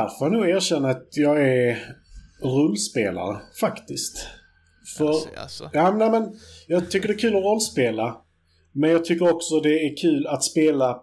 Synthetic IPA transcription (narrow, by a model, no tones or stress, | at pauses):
d̪æɾfɔɾjanuːɡæːɾɕɛnːaat̪jɑːɡæɾ | ɾɔlːspeːla̰ɾə̰fakt̪ɪst̪ | fœɾjɑːnæmɛnjɑːɡt̪ʰʏkːəɖɛːkʰʉ̟ːlɔɾɔlːspeːla | mɛnjɑːɡ̚t̪ʰʏkːəɾɔksɔd̪ɛːɾkʰʉ̟ːlat̪speːla